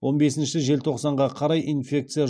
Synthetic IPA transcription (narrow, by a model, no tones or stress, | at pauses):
wo̞nbe̞sɪnʃɪʒe̞lt̪ʰo̞qsɑɴʁɑqʰɑɾɑjʔinfʲe̞k̚t̪sɨja